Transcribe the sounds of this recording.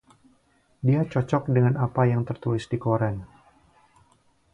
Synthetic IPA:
diat͡ʃɔt͡ʃɔk̚dəŋanapajaŋt̪ərt̪ulɪsdikoɾɛn

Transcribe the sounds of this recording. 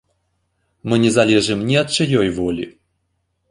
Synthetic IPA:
mɨnʲɛzɐlʲɛʐɨmnʲiɐt̪̚t͡ʃajɔjvɔlʲḭ

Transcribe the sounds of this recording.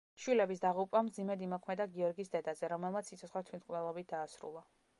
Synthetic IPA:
ʃwilɛbis̬d̪aʁupʼamd̪zimɛd̪imɔkʰmɛd̪aɡiɔɾɡisd̪ɛd̪azɛɾɔmɛlˠmat̪ssit̪sʰɔt̪sχwat̪ʰwit̪qʼnɛlˠɔbit̪̚ʰd̪̥aːsɾṵlˠa

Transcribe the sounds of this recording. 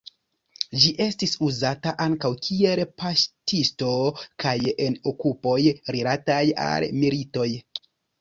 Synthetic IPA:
d͡ʒiʔe̞stisuzataʔaŋkawkʰie̞lpastisto̞kajenokupo̞jɾilataja̰lmilito̞j

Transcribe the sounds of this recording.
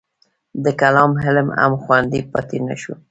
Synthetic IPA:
d̪əkalɑmɦɪlma̰mxwand̪ipɑt̪ina̰ʃu

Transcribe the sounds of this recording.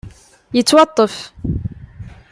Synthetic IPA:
jət͡sːwɑt̪ˤːəf

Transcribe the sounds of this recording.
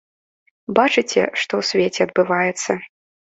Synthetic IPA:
bat͡ʂɨt͡sʲɛ̰ʂt̪ɔwsʲvʲet͡sʲɛɐd̪̚bɨvajɛt̪sːɐ

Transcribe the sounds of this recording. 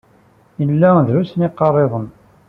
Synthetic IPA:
jəlːæðɾusnɪqːɑrˤːeðˤən

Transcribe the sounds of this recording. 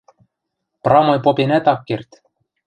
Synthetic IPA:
prɑmojpopʲinæt̪ɑkːirt̪

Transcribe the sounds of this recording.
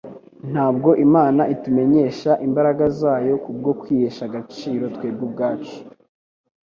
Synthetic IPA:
n̥haːbɡo̞ʔimaːnaʔitume̞ɲe̞ːʃaʔimbaɾaɡazaːjo̞kub̚ɡo̞kwiːheːʃaɡat͡ʃiːɾo̞twe̞ːb̚ɡub̚ɡaːt͡ʃu̥

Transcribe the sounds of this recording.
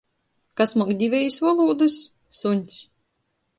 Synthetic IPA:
kasmɔkd̪ʲivʲɛjisvɔlˠuːd̪ɨsː | unʲt̪s

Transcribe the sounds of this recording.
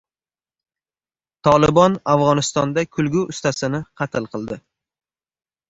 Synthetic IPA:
t̪ʰɒlˠɪbɒnavʁɒnɪst̪ɒnd̪akʲʰʊlɡʲuʔʊst̪asɪnɪqʰɑt̪ʰɪlˠqʰɨlˠd̪ɪ

